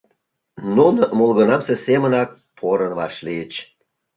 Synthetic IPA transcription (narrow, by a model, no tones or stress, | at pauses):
nunəmulɣənɑmsesemənɑk̚ | pʰoɾənβɑʃliət͡ɕ